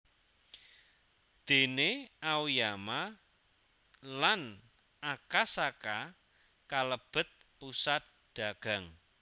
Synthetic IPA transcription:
d̪̥e̤neawjama | lan | akasaka | kaləb̥ə̤t̪̚pusat̪̚ | ɖ̪̥a̤ɡ̥a̤ŋ

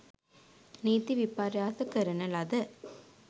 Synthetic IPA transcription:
niːt̪ːiʋɪpːaːɾjaːsɐkɐɾɐnɐlɐðɐ

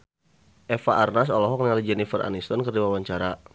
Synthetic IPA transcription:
ʔɛfaʔarnas̬ɔlɔɦɔk̚niŋalid͡ʒɛnifəra̰nist̪ɔnkərdiwawaɲt͡ʃaɾa

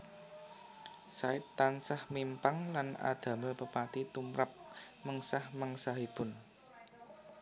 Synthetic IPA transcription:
saɪt̪ːansahmimpaŋlana̰d̪̥ä̤məpəpat̪it̪umɾap̚ | məŋsahmaŋsaɦib̥ʊn

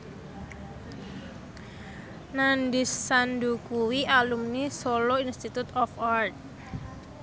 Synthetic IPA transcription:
nandisːand̪ukuwiʔalumnisoloinst̪it̪ut̪ɔfart̪̚

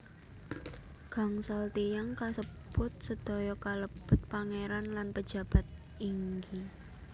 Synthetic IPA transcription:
ɡ̥a̤ŋsalt̪ijaŋkasəb̥ʊt̪̚səd̪̥ɔ̤jɔkaləb̥ʊ̤t̪̚paŋeɾanlanpə̥d͡ʒ̥a̤b̥a̤t̪̚ | iŋɡi

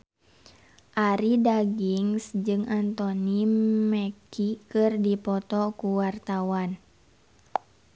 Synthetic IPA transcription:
ʔaɾidaɡiŋsd͡ʒɨŋʔant̪ɔnimɛkikɨrdipɔt̪ɔkuwart̪awan

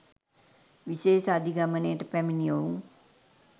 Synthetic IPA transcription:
ʋiseːʃad̪ʱiɡamənejəʈəpæminijouŋ

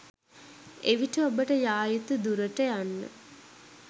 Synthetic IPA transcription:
eʋiʈəobəʈəjaːjit̪ud̪uɾəʈəjanːə̰

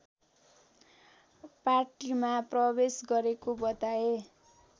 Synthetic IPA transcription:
parʈimaprʌbesɡʌɾekobʌt̪ae

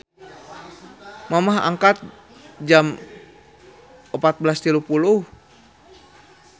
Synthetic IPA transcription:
mamaɦa̰ŋkat̪̚ | d͡ʒam | əpat̪̚blast̪ilupuluh

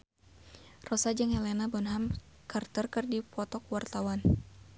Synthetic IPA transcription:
rɔsad͡ʒɨŋhɛlɛnabɔnɦam | kart̪ərkɨrdipɔt̪ɔkwart̪awan

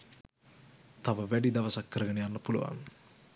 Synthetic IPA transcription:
t̪ɐʋɐʋɛɖid̪ɐʋɐsɐkːɐɾɐɡɐɳejanːɐpulṵʋa̰n

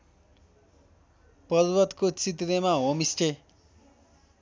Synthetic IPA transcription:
pʌɾbʌt̪kot͡sit̪ɾemaɦomisʈe

